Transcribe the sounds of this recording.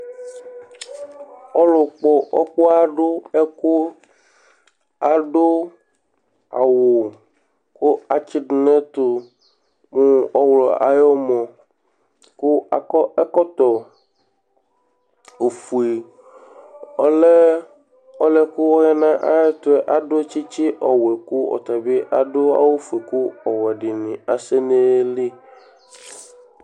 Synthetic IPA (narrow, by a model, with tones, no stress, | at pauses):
ɔ˦lo˨k͡pɔ˦ʔɔ˦k͡po˦a˦ɖo˦ɛ˦ko˦ | a˨ɖo˦ | a̰˨wo˨ | ku˦a˨t͡ɕi˦ɖ̩˨nẽ˦t̪o˨ | mũ˦ɔ˦wlɔ˨a̰˨jɔ˦mɔ̃˨ | ku˦a˨kɔ˦ɛ˦kɔ˦t̪ɔ˨ | o˨fu˨e˨ | ɔ˦lɛ˦ | ɔ˦lɛ˦ku˦wɔ˦ɣɛ˦nã˦ʔa˦ɛ˦t̪ʊ˦ɛ˦ʔa˨ɖo˦t͡ʃi˦t͡ɕi˦ʔɔ˨wɛ˨ku˦ɔ̰˨t̪a˨be˦ʔa˨ɖo˦a̰˦wo˦fu˨e˨ku˦ɔ˨wɛ˨ɖɪ˨nĩ˨a˨se˦ne˦li˦